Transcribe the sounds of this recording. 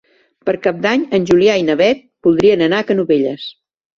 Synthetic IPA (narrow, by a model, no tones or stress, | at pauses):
pəɾkap̚d̪aɲənʲʒuliainəβɛt̪̚b̥ulˠd̪ɾiənənakənuβeʎəs